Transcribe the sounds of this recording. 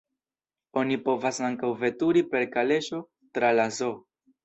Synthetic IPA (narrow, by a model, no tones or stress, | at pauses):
o̞nipo̞vasaŋkawve̞tuɾipe̞ɾkale̞ʃo̞ | tɾalazo̞